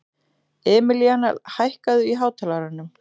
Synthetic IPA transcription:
ɛːmɪliana̰lhajhkaðʏiɦaːwt̪ʰalaɾanːʏm

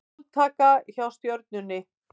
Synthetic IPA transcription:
t̪ʰaːkaçawst̪jœwɾt̪̚nʏnːɪ

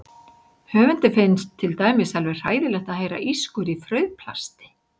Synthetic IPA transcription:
hœːvʏnt̪ɪfɪjnst̪ʰːɪlt̪aːjmɪsalvɛ̥r̥aːjðɪlɛxt̪aðhejɾa̰ʔiskʏɾifɾœɥðpʰla̰st̪ɪ̥

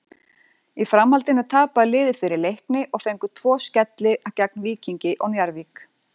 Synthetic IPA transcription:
ifɾamhalt̪ɪnʏt̪ʰaːpaðlɪːðɪfɪɾɪɾlejhknɪʔɔɣfejŋkʏt̪ʰvɔːscɛt̪lɪʔacak̚nliːciɲcɪʔɔɣnjaɾviːk

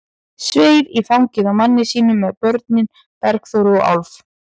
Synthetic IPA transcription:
sveːjðiθawŋcɪðamanːɪsiːnʏmːɛðpœɾt̪̚nɪn | pɛɾkθowɾɔʔa̰wlf

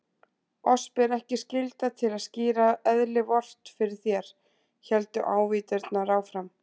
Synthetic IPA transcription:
ɔspɪɾɛhcɪscɪlt̪at̪ʰɪlaðsciːɾaɛðlɪvɔr̥t̪fɪɾɪɾ̥θjɛɾ̥ | çɛlt̪ʏʔaːwviːt̪ɪɾt̪naɾaːwfɾam

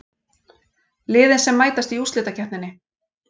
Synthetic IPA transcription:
lɪːðɪnsɛmːaːjt̪ast̪iust̪lɪːt̪acʰɛhp̪nɪnːɪ

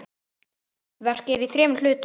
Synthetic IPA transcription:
vɛr̥cɪðiθɾɛːml̥ʏːt̪

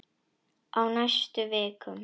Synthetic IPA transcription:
ʔawnajst̪ʏveːkʏm

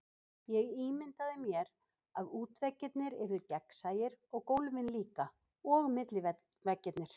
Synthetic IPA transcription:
jɛɣiːmɪnt̪aðɪmjɛɾ | aðuːt̪vɛcːɪt̪nɪɾɛɾðʏcɛksaːjɪɾɔɣkowlvɪnliːka | ɔɣmɪt̪lɪ | vɛcːɪt̪nɪɾ̥

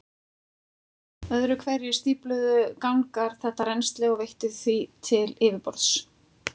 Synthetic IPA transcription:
œðɾʏkʰvɛɾjɪ̥st̪iːplʏðʏkawŋkaɾ̥θɛht̪aɾɛnst̪lɛɣɔvejht̪ʏðθvit̪ʰɪlɪːvɪpɔɾt̪s

